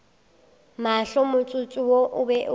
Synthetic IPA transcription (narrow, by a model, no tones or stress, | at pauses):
maɬɔmʊt͡sʼʊt͡sʼʊwoʔʊbɛʔʊ